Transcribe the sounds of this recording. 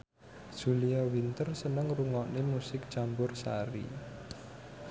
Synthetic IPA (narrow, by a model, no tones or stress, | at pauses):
ʒ̥uliawint̪ərsənəŋruŋɔʔnemusɪk̚d̥ʒ̥ambʊrsa̰ɾḭ